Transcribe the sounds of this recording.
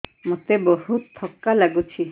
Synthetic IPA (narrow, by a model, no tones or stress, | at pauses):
mot̪ebohut̪ʰːɔkːalaɡut͡ɕʰi